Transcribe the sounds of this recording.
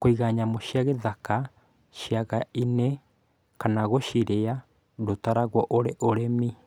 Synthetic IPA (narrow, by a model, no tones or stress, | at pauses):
koiɣaɲamoʃjaɣeðaka | ʃiaɣainɛ | kanaɣoʃiɾea | dotaɾaɣwɔʔoɾeʔoɾemi